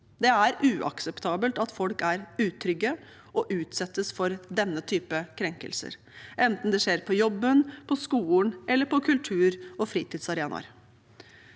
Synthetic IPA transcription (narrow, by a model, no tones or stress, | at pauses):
d̪ɛæɾʉːʔɑ̰ksɛpt̪ʰɑːbəlt̪ɑt̪fɔlkæɾʉːt̪ʰɾʏɡə | ʔɔʔʉːt̪sɛt̪ːəsfɔɾd̪ɛnːət̪ʰyːpəkʰɾɛŋkə̰lsə̰ɾ | ʔɛnt̪n̩d̪ɛʂeːɾpʰɔjɔbːənpʰɔskuːnʔɛlːəɾpʰɔkʰʉlt̪ʰʉːɾɔfɾiːt̪ɪːd̪sɑɾeːnɑ̰ɾ